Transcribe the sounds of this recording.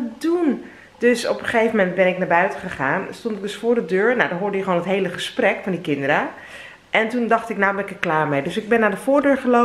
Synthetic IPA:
dun | døsɔ̰pəχejvəmɛntbɛnɪknaːbœɥtəχəχaːnstɔntɪk̚dɵsfʊːɹdədøːɹnadɔnɦʊːɹdəjəχʋoːnətɦejləχəsprɛkfɔndikɪndəɾə | ʔɛntundɑxtɪknawbɛnɪkəklaːɹmejdøsɪɡ̚bɛnːaːdəfʊːɹdøːɹχəlo

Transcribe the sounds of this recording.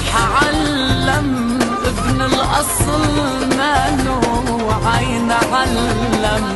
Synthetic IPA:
ħaʕalː | am | ʔɪbnɪlʔɑsˤl | maːnu | ʕajnʕalː | am

